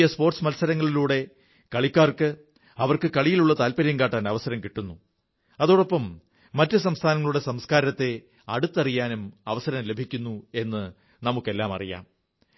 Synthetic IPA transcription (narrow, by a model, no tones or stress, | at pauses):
jɐspo̞ːrʈsmɐlsɐɾɐŋːɐɭiluːɽe̞ | kɐɭikʲːaːrkɨ | ɐʋɐrkɨkɐɭijiluɭːɐt̪aːlpɐɾjɐmkaːʈːaːnɐʋɐsɐɾɐmkiʈːunːu | ɐðoːɽopːɐmː | ɐtːɨs̬ɐmst̪ʰaːnɐŋːɐɭuɽe̞sɐmskaːɾɐt̪ːe̞ | ɐɽut̪ːɐrijaːnumɐʋɐsɐɾɐmle̞bʱikʲːunːue̞nːɨ | nɐmukːe̞lːaːmɐ̰rija̰ːm